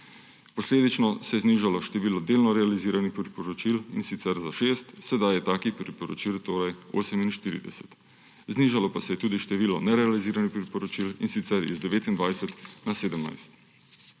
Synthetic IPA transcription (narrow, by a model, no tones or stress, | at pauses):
pɔsleːd̪it͡ʃnɔsɛjɛzniʒalɔʃt̪ɛʋiːlɔd̪eːlnɔɾɛaliziːɾanixpɾipɔɾɔt͡ʃilinsit̪sɛɾzaʃest̪sɛd̪ajɛt̪aːkipɾipɔɾɔt͡ʃilt̪oːɾajo̰ːsɛminʃt̪iːɾḭd̪ɛ̰sɛt̪ | zniːʒalɔpasɛjɛt̪uːd̪iʃt̪ɛʋiːlɔnɛɾɛaliziːɾanixpɾipɔɾɔt͡ʃilḭnsit̪sɛɾḭzd̪ɛʋeːt̪ind̪ʋajsɛt̪naseːd̪əmna̰jst̪